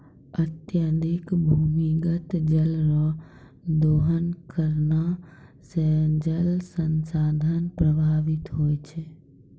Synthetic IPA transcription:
ət̪jəd̪ikbʱumiɡət̪d͡ʒəlɾɔ | d̪oːɦənkəɾna | sɛd͡ʒəlsənsaːd̪ʱənpɾəbʱaːʋɪt̪ɦoːjt͡ʃʰɛ

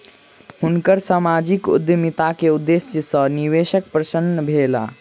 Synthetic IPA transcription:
hunkəɾsamad͡ʒikṵd̪jəmit̪akeud̪ːesjəsə̃niʋesək̚pɾəsənːəbʱela̰

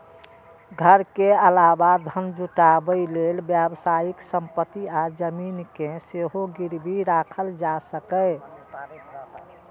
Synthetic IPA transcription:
ɡʱəɾkeəlabad̪ʱənd͡ʒuʈabəilelbjəbsajiksəmpət̪iad͡ʒəminkẽseɦoɡiɾbʱiɾakʰəld͡ʒasəkə

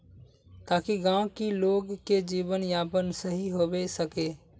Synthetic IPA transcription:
t̪aːkiɡãːwkiloːɡked͡ʒiːbənjapənsəɦiɦobesəke

